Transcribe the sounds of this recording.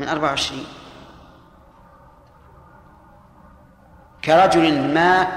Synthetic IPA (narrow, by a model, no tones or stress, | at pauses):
mɪnʔɑɾˤbaʕʕɪʃɾiːn | kaɾˤɑd͡ʒʊlmaː